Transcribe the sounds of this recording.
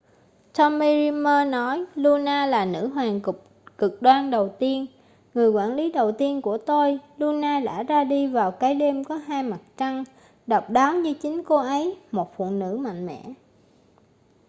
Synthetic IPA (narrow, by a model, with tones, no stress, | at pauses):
t̪ɔ˧mmi˧zi˧məː˧nɔ˨˦jlu˧naː˧laː˨˩nɨ̰˧˥ɦwaː˨˩nkʊ˨˩ | kɨ˨˩k̚ɗwaː˧nɗə˨˩wt̪i˧ən | ŋɨ˨˩əjkwaː˧˩nli˨˦ɗə˨˩wt̪i˧ənku˧˩ət̪o˧jlu˧naː˧la̰ː˧˥zaː˧ɗi˧vaː˨˩wkaː˨˦jɗe˧mkɔ˨˦ɦaː˧jma˨˩t̚t͡ɕa˧ŋ | ɗɔ˨˩wk͡p̚ɗaː˨˦wɲɨ˧t͡ɕï˨˦ŋ̟ko˨˦ʔə˨˦jmo˨˩t̚fṵ˧˨nɨ̰˧˥ma̰˧˨jŋ̟mɛ̰˧˩˥